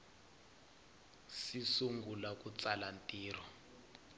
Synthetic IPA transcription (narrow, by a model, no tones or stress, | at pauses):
sisuŋɡʱulak̬ʼut͡salantʼiːrɔ